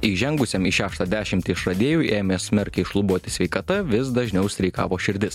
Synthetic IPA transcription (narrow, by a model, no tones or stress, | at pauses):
iːʒʲɛŋɡʊsʲeːmiːʃʲæːʃt̪ɑːd̪ʲæːʃʲɪmʲt̪ʲɪɪʃɾɐd̪ʲeːjuːʔeːmʲeːsʲmʲɛɾʲkʲɛɪʃlˠʊbuɔt̪ʲɪsʲʋʲɛɪkɐt̪ɐʋʲɪs̬d̪ɐʒʲnʲɛʊsʲt̪ɾʲɛɪkɑ̰ːʋoːʃʲɪɾʲd̪ʲɪs